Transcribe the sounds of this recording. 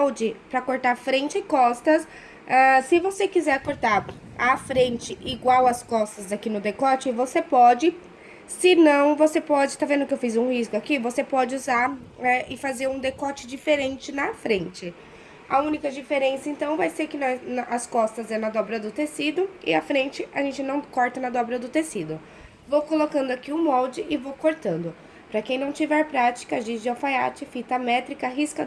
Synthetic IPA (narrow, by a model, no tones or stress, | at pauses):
wd͡ʒɪpɾɐkoɾt̪aɾfɾẽnt͡ʃɪɪkɔst̪ɐs | ɛ̃sɪvosekizɛɾkoɾt̪aɾ | afɾẽnt͡ʃɪʔiɡwawɐskɔst̪ɐzakinʊd̪ekɔt͡ʃɪvosepɔd͡ʒɪ | sɪnɐ̃w̃vosepɔd͡ʒɪt̪avẽnd̪ʊkɪewfizũhiskʊakivosepɔd͡ʒɪuzaɾɛɪfazeɾũd̪ekɔt͡ʃɪd͡ʒifeɾẽnt͡ʃɪnɐfɾẽnt͡ʃɪ | ɐ̰ũnikɐd͡ʒifeɾẽsɐẽnt̪ɐ̃w̃vajseɾkɪnɐnɐskɔst̪ɐzɛnɐd̪ɔbɾɐd̪ʊt̪esid̪ʊɪ̰ɐfɾẽnt͡ʃɪɐʒẽnt͡ʃɪnɐ̃w̃kɔɾt̪ɐnɐd̪ɔbɾɐd̪ʊt̪esid̪ʊ | vowkolokɐ̃nd̪ʊakiũmɔwd͡ʒɪʔɪvowkoɾt̪ɐ̃nd̪ʊ | pɾɐkẽj̃nɐ̃w̃t͡ʃivɛɾpɾat͡ʃi̥kɐʒẽd͡ʒɪafaja̰t͡ʃɪfit̪ɐmɛt̪ɾikɐɦiskɐ